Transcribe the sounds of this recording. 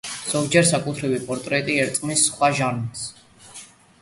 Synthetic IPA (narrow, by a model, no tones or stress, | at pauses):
z̥ɔvd͡ʒɛɾsakʼut̪ʰɾivipʼɔɾt̪ʼɾɛt̪ʼiɛɾt̪sʼmisːχwaʒaɾnit̪s